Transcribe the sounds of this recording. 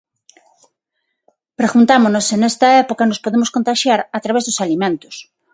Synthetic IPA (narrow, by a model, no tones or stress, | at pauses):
pɾeɣunt̪amonosenest̪ɐɛpokɐnospoðemʊskont̪aʃjaɾat̪ɾaβezðʊsalimẽnt̪ʊ̥s